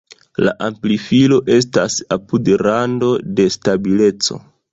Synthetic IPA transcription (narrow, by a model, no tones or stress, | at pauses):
la̰ʔamplifilo̞ʔe̞stasapudɾando̞de̞stabile̞t͡so̞̰